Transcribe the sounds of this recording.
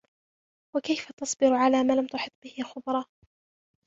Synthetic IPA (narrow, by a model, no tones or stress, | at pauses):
wakajfat̪ɑsˤbɪɾʊʕalaːmaːlamt̪ʊħɪt̪̚ˤːbɪhɪxʊbɾˤɑː